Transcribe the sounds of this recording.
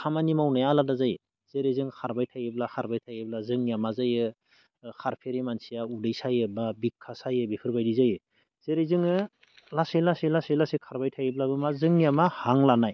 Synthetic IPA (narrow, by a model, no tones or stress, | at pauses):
kʰamanimawnajaladazaj | z̥eɾezɯŋkʰaɾbajtʰajeblaxʰaɾbajtʰajeblazɯŋjamazajɯ | kʰaɾpʰeɾimansijaudɯjsajɯbabikʰːasajɯbipʰɯɾbajdizajɯ | z̥eɾezɯŋɯ | laselaselaselasekʰaɾbajtʰajeblabɯmazɯŋjamahaŋlanaj